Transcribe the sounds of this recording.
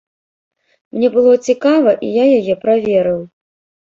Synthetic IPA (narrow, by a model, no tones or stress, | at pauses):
mnʲɛbɨlˠɔt͡sʲikavɐʔijajajɛpɾavʲɛɾɨw